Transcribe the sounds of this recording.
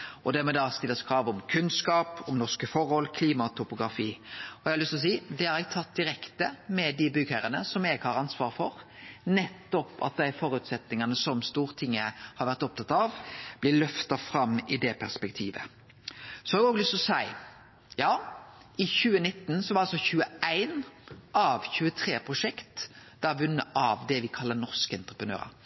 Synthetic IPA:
ʔɔd̪æɾmɛd̪ɑːst̪ɪlːəskʰɾɑːʋɔmkʰʉnskɑːpɔmnɔskəfɔɾhɔlkʰliːmɑt̪ʰʊpʊɡɾɑfiːɔɛɡhɑlʏst̪ɔs̬iːd̪ɛɑɾɛɡ̚t̪ʰɑt̪̚d̪ɪɾɛkt̪əmɛd̪ɪbʏɡhæɾənəsɔmɛɡhɑɾɑnsʋɑːʁfɔɾnɛt̪ːɔpɑ̰t̪̚d̪æfɔːɾʉːt̪sɛt̪nɪŋɑnəsɔmst̪uːʁət̪ʰɪŋːəhɑɾʋæɾt̪ɔp̚t̪ʰɑt̪ːɑʋb̥lɪlœft̪ɑfɾɑmːɪd̪ɛpʰæʁspɛkt̪ʰiːʋə̰ | sɔhɑːɡoːɡlʏst̪ɔsæɪ | jɑː | ɪçʉːənɪt̪ːnsɔʋɑɾɑlsɔçʉːəæɪnʔɑʋçʉːət̪ʰɾeːpʰʁʊʂɛkt̪d̪̥æʋʉnːəʔɑʋd̪ɛʋɪkʰɑlːənɔʁskəɛnt̪ʁəpʁənø̰ːʁə̰ɾ

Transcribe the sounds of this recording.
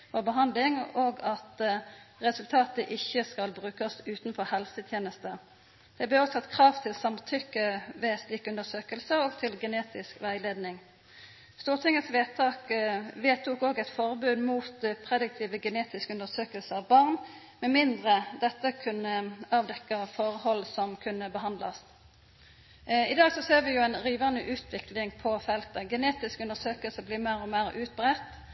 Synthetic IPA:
fɔʁbəɦɑnd̪lɪŋoːɡɑt̪ʁɛsʉlt̪ʰɑːt̪əʔɪçːəskɑlbʁʉːkəsʉːt̪nfɔʁhɛlsət̪ʰjeːnəst̪ə | d̪̥ɛblɛɔt̪ʰɑt̪ːkʰʁɑːʋt̪ʰɪlsɑmt̪ʰʏkːəʋɛːst̪iːkːʉnd̪əsøːkəlsəoːɡt̪ʰɪlɡəneːt̪ɪskʋæɪleːd̪nɪŋ | st̪uːʁt̪ʰɪŋːət̪sʋeːt̪ʰɑːkʋeːt̪ʰʊkoːɡɛɪt̪fɔʁbʉːd̪muːt̪pʰʁɛd̪ɪk̚t̪ʰiːʋəɡəneːt̪ɪskʉnd̪əʁsøːkəlsəɑʋbɑʁn | mɛmɪnd̪ʁəd̪ɛt̪ːəkʰʉnːəɑːʋd̪ɛkːəfoːʁəhɔlsɔmkʰʉnːəbəɦɑnd̪lɑ̰s | ɪd̪ɑːɡsɔseːʁʋɪjʊæɪnʁiːʋɑnəʔʉːt̪ʰʋɪklɪŋpʰɔfɛlt̪əɡɛneːt̪ɪskʉnəʁsøːkəlsəbliːmæʁɔmæːʁʉːt̪̚bʁɛt̪ː

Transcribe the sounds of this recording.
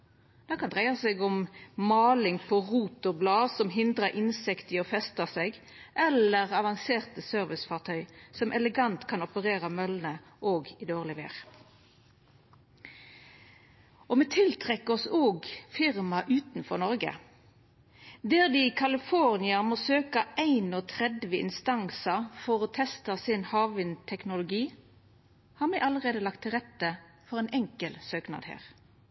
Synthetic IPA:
d̪̥ɑːkɑnd̪ʁæɪɑsɛɡʊmmɑːlɪŋpʰɔʁuːt̪ɔblɑːsɔmɦɪnd̪ʁəʔɪnsɪkt̪ɪɔfɛst̪əseːɡ | ʔɛləʁɑʋɑŋseːʁt̪əsøːʁʋɪsfɑːʁt̪ʰœʏsɔmʔɛləɡɑnt̪kʰɑnɔpəʁeːʁɑmœlnə | ʔoːɡɪd̪oːʁlɪʋḛːʁ | ɔmeːt̪ʰɪlt̪ʰʁɛkːəɔsoːɡfɪʁmɑʔʉːt̪n̩fɔʁnɔʁɡə̰ | d̪æːʁd̪iːkʰɑlɪfɔʁnɪɑmoːsøːkɑʔæɪnoːt̪ʰʁɛd̪ʋəɪ̰nst̪ɑŋsɑfɔʁoːt̪ʰɛst̪ɑsɪnhɑːʋɪnt̪ʰɛknʊlʊɡiː | hɑːʁmɛɪʔɑləʁeːd̪əlɑkt̪ʰːɪʁɛt̪ə | fɔʁæɪnʔɛŋkəlsøːknɑ̰ːd̪hæ̰ːʁ

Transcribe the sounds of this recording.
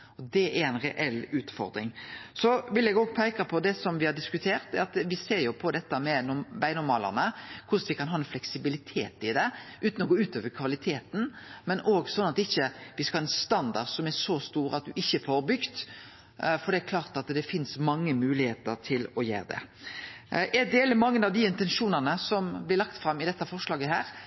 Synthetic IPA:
ɔd̪ɛʔæɾɛɪnɾɛ̰ʔɛlːʉːt̪fɔ̰ɾd̪ɾɪŋsɔʋɪlɛɡoːɡ̚pʰæɪkɑpʰɔd̪ɛsɔmʋɪhɑɖɪskʉt̪ʰeːʁt̪ɛɾɑt̪ʋɪseːɾjʊpʰɔd̪ɛt̪ːəmɛnʊbæɪnɔmɑːlə̰ʁnəkʰʊsnʋɪkʰɑnɦɑːɛnflɛksɪbɪlɪt̪ʰeːt̪ɪd̪ɛʔʉːt̪ən̩ɔɡoːʉːt̪oːʋəɾkʰʋɑlɪt̪ʰeːt̪n̩mɛnʔoːɡsɔnːɑt̪ɪçːəʋɪskhɑːɛnst̪ɑnd̪ɑɾsɔmɛɾʂɔst̪uːɾɑ̰t̪̚d̪ʉʔɪçːəfoɾbʏɡt̪ | fɔɾd̪ɛækʰlɑːʁt̪ɑt̪d̪ɛfɪnsmɑŋːəmʉːlɪheːt̪əɾt̪ʰɪlɔjḛːɾəd̪ɛ̰ | ʔɛd̪eːləmɑŋːənɑʋd̪ɪɪnt̪ɛnʂuːnənəsɔmblɪlɑkt̪fɾɑmːɪd̪ɛt̪ːəfɔɾʂlɑːɡəɦæːɾ

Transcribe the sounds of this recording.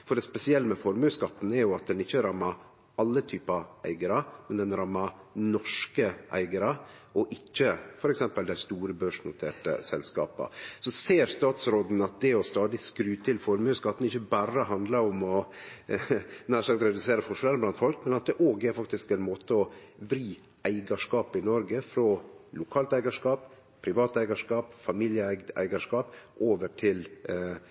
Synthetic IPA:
fɔɖɛspɛsɪɛlːəmɛfɔɾmʉskɑt̪ːn̩ɛɾjʊɑt̪̚d̪ɛnɪçːəɾɑmːɑɾ | ɑlːət̪ʰyːpɑæ̰ɪɡəɾəmɛnd̪ɛnɾɑmːɑnɔʂkəʔæ̰ɪɡəɾə | ɔʔɪçːəfɔɾɛksɛmpəld̪æɪst̪uːɾəbøːʂnʊt̪ʰḛːʈə̰sɛ̰lskɑ̰ːpə̰sɔseːɾst̪ɑːt̪sɾoːd̪n̩ɑt̪̚d̪ɛɔst̪ɑːd̪ɪskɾʉːt̪ʰɪlfɔɾmʉːskɑt̪ːn̩ɪçːəbæːɾəɦɑnd̪ləɾʊmɔ | næːʂɑk̚t̪ɾɛd̪ʉseːɾəfʊʂʊnɛləb̪ɑnt̪fɔlkmɛnɑt̪̚d̪ɛʔoːɡɛɾfɑk̚t̪ɪskɛɪnmoːt̪əɔbɾiː | æɪɡɑʂkɑːpɪnɔɾɡəfɾɔlʊkʰɑːlt̪æɪɡɑʂkɑːp | pʰɾɪʋɑːt̪æɪɡɑʂkɑːpfɑmiljəæɡ̪æ̰ɪɡɑʂkɑːpʔoːʋəʈʰɪl

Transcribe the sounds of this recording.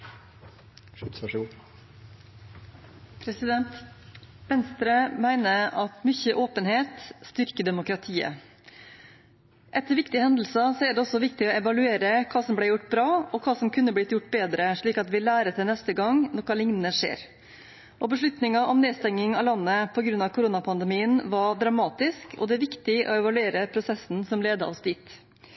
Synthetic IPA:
ʂɡu | pʰɾɛsɪd̪ɛnt̪ʋɛnst̪ɾəmæɪnəɑt̪mʏçəʔoːpənheːt̪st̪ʏɾkəd̪ɛmʊkɾɑt̪ʰiːə̰ | ʔɛt̪ːəɾʋɪkt̪ɪəhɛnd̪l̩sɑsɔɛɖ̪ɛɔsɔʋɪkt̪ɪɔːɛʋɑlʉeːɾəkʰɑːsɔmblæɪjʊʈːbɾɑːɔkʰɑːsɔmkʰʉnːəblɪt̪jʊʈːbeːd̪ɾəʂɭiːkɑt̪ʋɪlæːɾət̪ʰɪlnɛst̪əɡɑŋnɔɾkɑlɪŋnənəʂḛːɾ | ʔɔbəʂɭʉt̪nɪŋɑʔɔmnɛːst̪ɛŋːɪŋɑlɑnːəpʰɔɡɾʉnɑʋkʰʊɾuːnɑpʰɑnd̪ɛmiːənʋɑd̪ɾɑmɑːt̪ɪskʰɔ̰d̪ɛæɾʋɪkt̪ɪʔɔ̰ɛʋɑlʉeːɾəpʰɾʊsɛsːn̩sɔmleːd̪ə̰ʔɔsd̪iːt̪

